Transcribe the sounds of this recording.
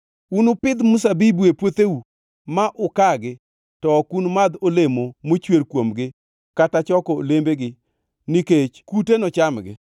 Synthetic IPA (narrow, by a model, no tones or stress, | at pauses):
unʊpɪd̪musabibuepwot̪eu | maʔʊkaɡɪ | tɔkunmad̪olemomot͡ʃweɾkwomɡɪ | katat͡ʃɔkɔlembeɡɪ | niket͡ʃkutenɔt͡ʃamɡɪ̰